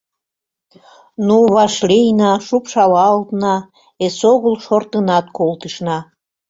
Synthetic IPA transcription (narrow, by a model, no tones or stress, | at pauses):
nuβɑʃlejnɑʃupʃɑlɑːlt̪nɑ | esoɣəlʃort̪ənɑt̪̚kolt̪əʃnɑ